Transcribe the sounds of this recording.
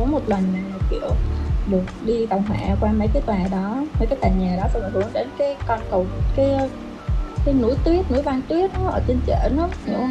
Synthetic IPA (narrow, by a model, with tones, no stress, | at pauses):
ɔ˨˦mo˨˩t̚lə˨˩nmaː˨˩˨kḭ˧˨əwɗɨ˨˩ək̚ɗi˧ɗa˨˩wŋ͡mɦwa̰ː˧˩kwaː˧mə˨˦jkaː˨˦jt̪waː˨˩ɗɔ˨˦mə˨˦kaː˨˦jt̪a̰ː˨˩ɲaː˨˩ɗɔ˨˦tə˨˩ŋ˨˩hɨ˨˦əŋɗe˨˦nkaː˨˦jkɔ˧nkə˨˩w̚kaː˨˦j | kaː˨˦jnṵ˧˥jt̪wi˦˥ət̚nu˧˥jvaː˧ŋt̪wi˦˥ət̚nɔ˨˦ʔəː˧˩t͡ɕe˧nt͡ɕḛ˧˩nɔ˨˦no̰˧˥